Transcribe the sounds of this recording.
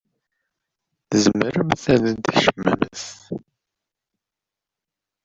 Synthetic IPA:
θəzəməɾəmθæðəd̪æʃəmːæ̰məθ

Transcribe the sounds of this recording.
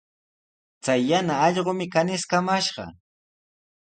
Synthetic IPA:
t͡sajːanaːʎɢomɪkanɪskamaʃɢɑ̰

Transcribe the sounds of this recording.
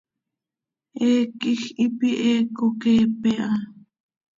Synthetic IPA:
ʔeːkixipiʔeːkokeːpeʔɑ

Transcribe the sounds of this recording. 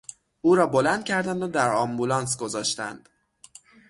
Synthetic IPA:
ʔuːɾɒːbo̞lænd̪̥̚cʰæɾd̪ænd̪od̪æɾɒmbulɒːnsɡo̞zɒːʃt̪æ̰nd̪̥

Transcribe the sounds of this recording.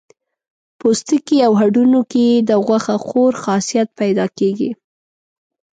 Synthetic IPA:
post̪ikiawɦaɖunoked̪əɣwaxaxoɾxɑsijat̪̚pajd̪ɑkeɡḭ

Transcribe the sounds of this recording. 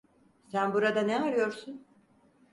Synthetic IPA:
sænbuɾad̪aneaɾɯjo̞ɾsun

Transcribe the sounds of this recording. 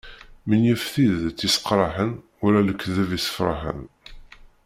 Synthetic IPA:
mənjəfθiðt͡sːisə̥qɾˤɑħən | uɾæləkːðəvisə̥fɾˤɑ̰ħə̰n

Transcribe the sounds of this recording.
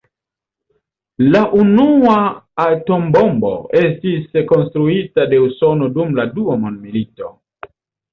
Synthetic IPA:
laʔunuaato̞mbo̞mbo̞̰e̞stisko̞nstɾuitade̞uso̞no̞dumladuamondmilito̞̰

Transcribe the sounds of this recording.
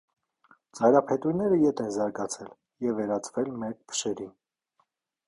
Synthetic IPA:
t͡sɑjɾɑpʰɛt̪ujnɛɾəjɛt̪ʰɛnzɑɾɡɑt͡sʰɛl | jɛvːɛɾɑt͡sʰvɛlmɛɾk̚bʰə̥ʃɛɾin

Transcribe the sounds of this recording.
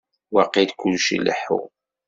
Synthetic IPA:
wɑqːid̪kʷːʊlʃḭlːə̰ħṵ

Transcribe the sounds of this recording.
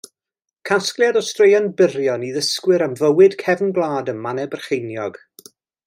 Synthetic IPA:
kʰasklˠjadɔstrejanbɪrjɔniðəskwɨɾəmvəwɨd̥kʰɛvnblˠaːdəmmanɛbərχejnjɔɡ̥

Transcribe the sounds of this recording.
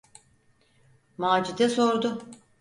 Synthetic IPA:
maːd͡ʒid̪ɛso̞ɾd̪ʊ

